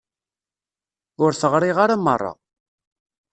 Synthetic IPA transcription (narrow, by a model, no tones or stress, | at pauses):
ʊɾθəʁɾiʁaɾamːərˤːɑ̰